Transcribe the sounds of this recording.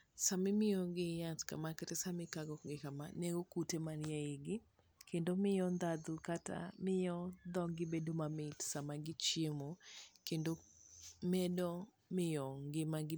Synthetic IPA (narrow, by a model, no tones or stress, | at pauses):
samɪmɪjɔɡɪjatka̰makatɛsamɪkaɡɔɡɪkamaneɡokutemanjaɪɡɪ | kendomɪjɔnd̪ad̪ukata̰mɪjɔd̪ɔɡɪbedomamɪtsamaɡɪt͡ʃjemokendomɛdɔ | mɪjɔŋɡɪmaɡɪ